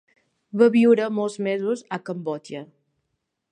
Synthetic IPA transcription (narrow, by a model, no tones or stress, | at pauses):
βaβiwɾəmɔlˠzmezuzəkəmbɔt͡ʃə